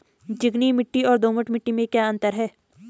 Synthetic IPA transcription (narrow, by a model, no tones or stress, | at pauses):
d͡ʒɪɡnimɪʈːiɔːɾd̪oːməʈmɪʈːimẽkjaːɐ̃nt̪əɾɦɛː